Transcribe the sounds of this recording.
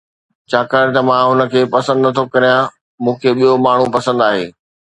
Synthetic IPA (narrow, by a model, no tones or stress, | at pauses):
t͡ɕʰaːkaːɽ̃t̪ɐmãɦʊnə̆kʰeːpɐsə̃nd̪nɐt̪ʰokɐɾijã | mũːkʰeːɓijomaːɳ̤upɐsə̃nd̪aːɦḛː